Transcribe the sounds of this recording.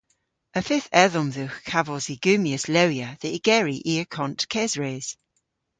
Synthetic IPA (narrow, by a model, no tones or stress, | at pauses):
əfɪθɛðɔmðuxkʰavɔziɡ̥ʉːmiəslewjəðəiɡ̥ɛɹiʔiəkʰɔ̃ntkʰɛzɹeːz̥